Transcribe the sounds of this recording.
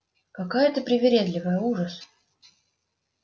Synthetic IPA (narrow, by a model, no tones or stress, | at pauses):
kɐkajət̪əpɾʲɪvʲɪɾʲed̪lʲɪvəjəuʐəs